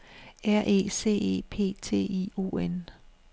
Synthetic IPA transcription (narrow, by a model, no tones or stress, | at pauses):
æɐ̰ʔe̝̰ːse̝̰ːe̝̰ːpʰe̝̰ːt͡sʰe̝̰ːio̝̰ːen